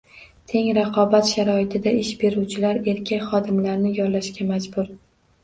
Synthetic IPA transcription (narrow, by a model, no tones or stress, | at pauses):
t̪ʰe̞ŋɾɑqʰɒbat̪ʃaɾɒɪt̪ʰɪd̪aɪʃbe̞ɾuwt͡ʃʰɪlaɾe̞ɾkʲʰakʲχɒd̪ɪmlaɾnɪjɒɾlaʃkʲamad͡ʒbʊɾ